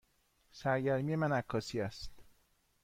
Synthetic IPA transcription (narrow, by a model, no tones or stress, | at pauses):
sæɾɟæɾmije̞mænækʰːɒːsiːæst̪